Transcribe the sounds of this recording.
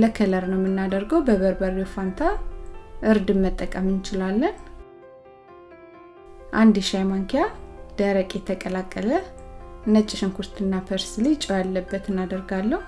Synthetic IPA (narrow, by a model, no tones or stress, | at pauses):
ləkʰələɾnəwmːɨnːad̪əɾɡəwbəβəɾbəɾofant̪ʰaʔɨɾd̪ɨnmət̪ʼːəkʼəmɨnt͡ʃɪlalːən | ʔand̪iʃajmaŋkʰijad̪̥əɾəkʼjɛt̪ʰəkʼəlakʼːələɨnət͡ʃʼːɪʃɨŋkʰust̪ʰɨnːapʰəɾslit͡ʃʼojalːəbːət̪ɨnːad̪əɾɡalːəhu